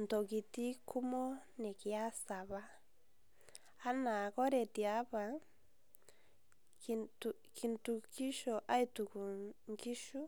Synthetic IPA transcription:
nto˨ɣi˨ti˦ku˦mo˦ne˨kja˦sa˨βa˦ | a˦na˨ɣɔ˦ɾe˨ti˨a˨˦βa˨ | ki˨ntu˨ki˦ʃɔ˨ʔa˦i˦tu˨ku˨ŋɡi˦ʃu˦

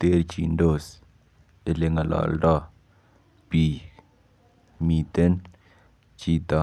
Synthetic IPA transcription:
t̪e˦ɾt͡ʃḭ˨ndo˦˨s | e˨le˨ŋa˨la̰˨lɖa˦ | pi˨ | mi˨t̪e˦n | t͡ʃi˦˨t̪a˨

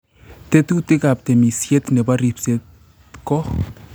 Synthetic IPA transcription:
t̪e˦tu˦tɪ˦ka˨p̚t̪ɛ˨mi˨sjɛ˦t̪nɛ˨ba˦ɾi˨pse˦t | kɔ˦

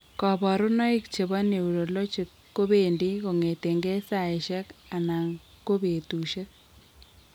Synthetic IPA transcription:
kɔ˨bɔ˨ɾʊ˦nɔ˦i˦kt͡ʃe˨βɔ˦ne˨u˨ɾo˨lo˦t͡ʃi˨kːo˦be˨ndi˦ko˨ŋe˨te˨ŋɡe˦sa˨e˨ʃɛ˦ka˨na˨ŋ | ko˦be˨tu˨ʃe˦k̚

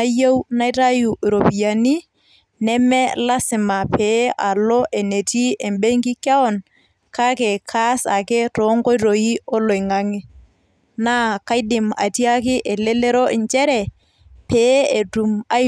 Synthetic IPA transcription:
a˦je˦wna˦jta˦ju˨ʔɾo˨pi˨ja˨ni˦ | nɛ˦mɛ˦la˦sɪ˨ma˨pe˨˦ʔa˨lɔ˦ʔe˨ne˨ti˦e˨mbe˦ŋki˦kja˦ɔ˦n | ka˦kɛ˨kʰa˦sa˨ke˦tɔ˨˦ŋko˦ɾo˨i˦ɔ˦lo˨jŋa˦ŋɪ˦ | na˦ka˦jdɪ˨ma̰˨ti˦a˦kɪ˦ʔɛ˨le˦le˦ɾo˦ɪ˨ɲt͡ʃɛ˦ɾɛ˨ | peː˦e˨tu˨ma˦

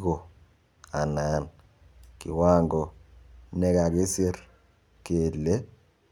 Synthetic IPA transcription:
ɣo˨ | a˨na˨˦n | kḭ˨waː˦ŋɡɔ˨nɛ˦ka˨ɡe˦se˦ɾ | ke˨lːe˦

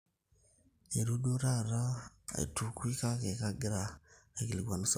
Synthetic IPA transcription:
e˨ɾu˦do˦ɾa˦˨ɾa˦ | a̰˨tu˨kwi˦ka˦ke˨ka˦ɡɪ˦ɾa˨e˨ki˨li˨ɡwa˨n˦s

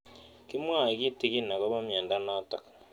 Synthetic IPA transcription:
ki˦mwa˦˨i˨ki˦ti˨˦ki˦na˨ka˦βa˦mjeː˨nda˦na˦ta̰˨k

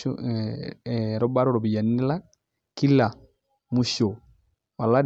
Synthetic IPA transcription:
ɾɔ˦ba˦ɾɔ˦ɾo˨bi˨ja˨nːi˦la˦ | ki˦lːa˨ | mu˦ʃo˨ | wa˨lːa˦d

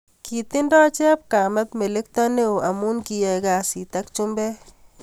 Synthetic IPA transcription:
ki˨ti˦ndɔ˦t͡ʃɛ˦p̚ka˨mɛ˦pme˨le˦k̚tɔ˦ne˦u˨a˨mu˦nki˨jɛ˨ka˨si˨ta˦kt͡ʃu˦mbɛ˦

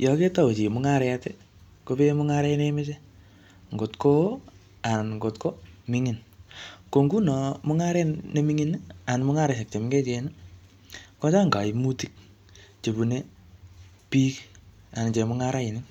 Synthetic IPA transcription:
jɔ˨ke˦ta˦wo˨t͡ʃi˨mʊ˦ŋa˦ɾɛa˦tɛ˦ | ko˦pe˦mʊ˦ŋa˦ɾe˦ine˦me˦t͡ʃe˦ | ŋɡo˨tko˦ | a˨nŋɡo˨tko˦mi˦ŋi˨nko˨ŋɡu˦nɔ˨mʊ˦ŋa˦ɾɛ˦ne˦mi˦ŋi˦na˨nmʊ˦ŋa˦ɾe˨se˨k̚t͡ʃe˨mɪ˦ŋɡe˦t͡ʃe˨ni˦ | kɔ˦t͡ʃa˦ŋɡa˨ɪ˨mu˦ti˦k̚ | t͡ʃe˨bu˨ne˦ | pi˦k | a˨n˨t͡ʃe˨mʊ˦ŋa˦ɾa˦ɪ˨nɪ˦

